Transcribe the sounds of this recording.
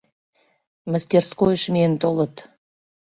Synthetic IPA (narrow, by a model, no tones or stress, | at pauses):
məsʲt̪ʲerskojəʃment̪olə̆t̪